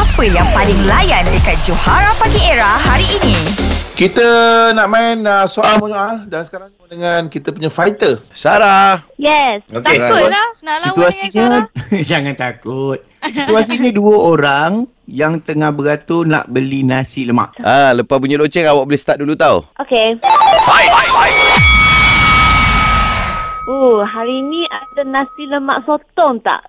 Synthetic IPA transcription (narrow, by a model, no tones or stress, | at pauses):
apəjaŋpalɪŋlajandəkat̪̚d͡ʒohaɾapaɡieɾahɦaɾiːnĩkit̪ənaʔmãɪnəsoalmoɲoʔadansə̥kaɾaŋdəŋankit̪əpuɲafajt̪əsaɾajɛsoke | sit̪uasiɲəd͡ʒaŋant̪akʊt̪̚sit̪uas̬iɲəduəoɾaŋ | jaŋt̪əŋahbəɡat̪ona̰ʔbəlinasiləma̰ʔʔaləpapuɲəlot͡ʃɛŋawaʔ̚bəlest̪aʔ̚dulut̪aṵʔokebajajaj | oɦaɾiːnĩʔadanãsiləma̰ʔsot̪ɔŋt̪a̰ʔ